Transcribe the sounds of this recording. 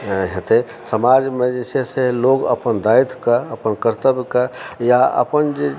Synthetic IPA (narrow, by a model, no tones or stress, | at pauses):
ɦet̪e | səmad͡ʒmed͡ʒeseseloːɡə̰pənd̪ait̪kaəpənkəɾt̪əbkajaə̰pənd͡ʒe